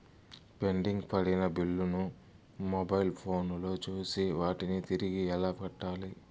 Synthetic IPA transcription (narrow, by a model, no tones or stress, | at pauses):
pe̞ɳɖiŋɡpɐɽinɐbilːunu | mobɐjlpʰo̞ːnlo̞ːt͡ʃuːsiʋaːʈinit̪iɾiɡiɛlaːpɐʈːaːli